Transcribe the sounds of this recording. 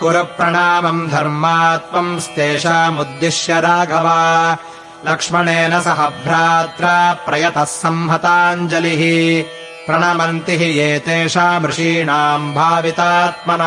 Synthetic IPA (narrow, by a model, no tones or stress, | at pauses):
kuɾɐpɾɐɳaːmɐmd̪ʱɐɾmaːt̪mɐmst̪eːʃaːmud̪ːiʃjɐɾaːɡʱɐʋaː | lɐkʂmɐɳeːnɐsɐɦɐbʱɾaːt̪ɾɐːpɾɐjɐt̪ɐsːɐmɦɐt̪aːɲd͡ʒɐliɦi | pɾɐɳɐmɐnt̪iɦijeːt̪eːʂaːmɾɪʂiːɳaːmbʱaːʋit̪aːt̪̚mɐnɐ